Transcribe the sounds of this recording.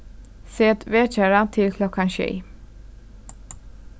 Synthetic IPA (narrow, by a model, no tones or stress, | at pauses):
seːt̪ʰveːt͡ʃæːɾat̪ʰɪlkʰlɔkːanɕy̰ː